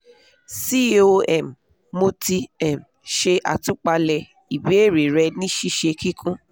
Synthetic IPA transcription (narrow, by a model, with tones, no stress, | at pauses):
si˦o˧ɛ˦˨m | mo˧ti˧ɛ˦˨m | ʃe˧ʔa̰˨tũ˦k͡pa˧lɛ˧ | i˨be˨˦e˦˨ɾe˨ɾɛ˧nĩ˦ʃi˦ʃe˧ki˦kʰũ˦